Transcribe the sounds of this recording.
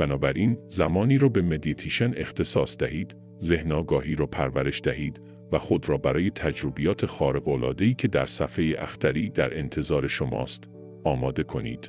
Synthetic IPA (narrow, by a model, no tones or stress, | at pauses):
b̥ænɒːbæɾʔiːnzæmɒːniːɾɒːbe̞med̪it̪ʰiʃene̞xt̪ʰe̞sɒːsd̪æhiːd̪̥ | ze̞hnɒːɡɒːɦiːɾɒːpʰæɾvæɾe̞ʃd̪æhiːd̪̥ | væxo̞d̪ɾɒːbæɾɒːje̞t̪ʰæd͡ʒɾobijɒːt̪ʰe̞xɒːɾe̞ɣolɒ̰ːd̪e̞iːcʰe̞d̪æɾsæfe̞jeʔæ̰xt̪ʰæɾiːd̪æɾʔe̞nt̪ʰe̞zɒːɾe̞ʃo̞mɒ̰ːst̪ | ɒːmɒːd̪e̞kʰo̞nḭːd̪̥